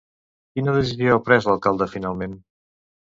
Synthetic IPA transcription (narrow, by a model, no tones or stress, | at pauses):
kinəðes̬iziaupɾɛzləlˠkalˠd̪əfinalˠmen